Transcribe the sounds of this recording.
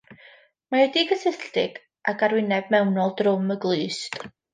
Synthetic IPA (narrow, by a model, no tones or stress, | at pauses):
maɛdiɡəsəɬtɪɡ̥ | ʔaɡaɾwɪnɛb̚mɛwnɔlˠdrʊməɡlˠɨːstʼ